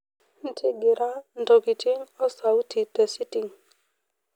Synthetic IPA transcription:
n̩˦tʰɪ˦ɡɪ˨ɾa˦ndɔ˨ki˨ti˦ŋɔ˦sa˨u˦ti˨tə˨si˦ti˨ŋ

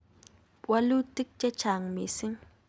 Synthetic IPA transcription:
pwa˦lu˦ti˦k̚t͡ʃɛ˦t͡ʃa˨ŋme˨si˦ŋ

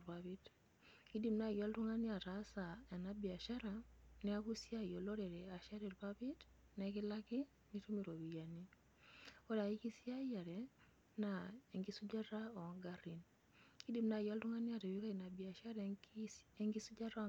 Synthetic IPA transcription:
pa˨bi˦t | ki˦di˨mna˨ja˦ltu˦ŋa˦ni˦a˨ta˨˦sa˨e˨na˦bi˨a˨ʃa˦ɾanɛ˦a˦ku˦si˦a˦˨jo˨lo˦ɾe˨ɾɛ˨a˨ʃa˦ɾi˨ɾpa˦bi˦t | nɛki˦la˦ki˦ | mi˦tu˦mi˨ɾo˨wi˨ja˨ni˦ | o˦da˨i˦ki˦si˦a˦ja˨ɾɛ | na˨e˨ŋɡi˦su˦d͡ʒa˦ɾa˦o˨ŋɡa˦ɾi˨n | ki˦di˨mna˨ja˦ltu˦ŋa˦ni˦a˦˨ta˨wi˦ka˦i˨na˨bi˨a˨ʃa˦ɾ | e˦ŋɡi˦su˦d͡ʒa˦ɾa˦˨

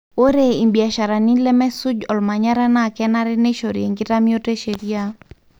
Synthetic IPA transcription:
o˦ɾe˦i˨mbi˨a˨ʃa˨ɾa˨ni˦lɛ˦mɛ˦sʊ˦d͡ʒɔ˨lma˨ɲa˦ɾa˦na˦˨kɛ˦na˦ɾɛ˦ne˦ʃo˨ɾje˨ŋɡɪ˦ta˦mio˦te˦ʃe˨ɾi˦a˦

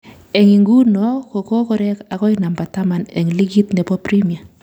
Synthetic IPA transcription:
ɛ˨ŋi˨ŋɡu˦nɔ˦ko˨kɔ˦kɔ˨ɾɛ˦ka˨kɔ˦ɪ˦na˨mba˨ta˦ma˨nɛ˨ŋ˨li˦ɡi˦t̪nɛ˨pɔ˦pɾi˦mi˨a˨

